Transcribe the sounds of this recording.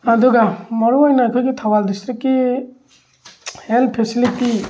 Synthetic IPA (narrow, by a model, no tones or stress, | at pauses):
ad̪uɡamɔɾuajnajkʰɔjɡitʰawaldistɾikːi | helpʰesiliti